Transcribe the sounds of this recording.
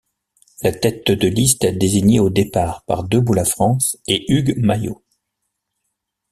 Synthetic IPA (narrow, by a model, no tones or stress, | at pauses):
lat̪ɛt̪d̪əlist̪ɛd̪eziɲeod̪epaʁpa̰ʁd̪øbulafχɑ̃seyɡmajo̰